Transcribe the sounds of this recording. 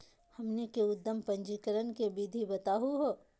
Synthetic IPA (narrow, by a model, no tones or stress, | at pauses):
hɐmnekeʊd̪ːəmpɐ̃ɲd͡ʒiːkəɾənkebid̪ʱibɐt̪aːɦuɦoː